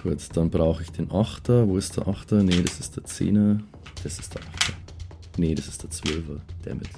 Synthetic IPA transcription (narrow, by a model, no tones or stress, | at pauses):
kʰʊɐt͡sd̥anbʁaʊxəɪçd̥eːnʔaxtʰɐvoːɪstd̥eːɐʔaxtɐneɾasɪstd̥eːɐt͡sḛːnɐ | d̥ɛsɪ̥std̥eːɐʔaxtɐ | nəɾasɪ̥std̥eːɐt͡sv̥œlvɐd̥ḛːɐmɪ̰t